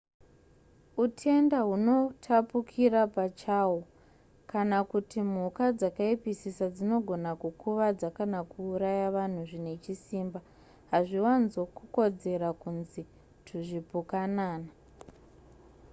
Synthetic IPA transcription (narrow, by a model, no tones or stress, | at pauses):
utʰe̞ndaɦuno̞tʰapukʰirapat͡ʃawo | kanakutim̤ukad͡zakaipisisad͡zino̞ɡʱo̞nakukuʋad͡zakanakuːɾajaʋan̤uʐine̞t͡ʃisiːmba | ɦaʐiwanzo̞kuko̞d͡ze̞ɾakunzi | tʰuʐipukanaːna